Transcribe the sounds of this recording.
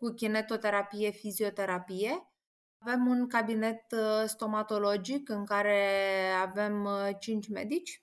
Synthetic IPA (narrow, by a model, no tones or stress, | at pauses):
kukʲine̞t̪o̞t̪e̞ɾapije̞fizio̞t̪e̞ɾapije̞ | ave̞munkabine̞t̪st̪o̞mat̪o̞lo̞d͡ʒikɨŋkaɾe̞ave̞mt͡ʃint͡ʃʲme̞̰d̪it͡ʃʲ